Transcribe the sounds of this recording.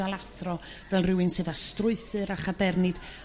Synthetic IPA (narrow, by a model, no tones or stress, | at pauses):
alˠaθrɔvɛlˠrɪwɨnsɨðastrʊɨθɨɾaχadɛrnɨd̥